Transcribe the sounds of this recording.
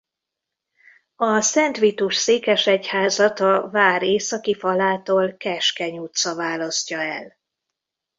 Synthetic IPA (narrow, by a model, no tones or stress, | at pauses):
ɒsɛnt̪ʋit̪uʃseːkɛʃɛchaːzɒt̪ɒvaːɾeːsɒkifɒlaːt̪oːlkɛʃkɛɲuːt̪sɒvaːlɒscɒɛ̰l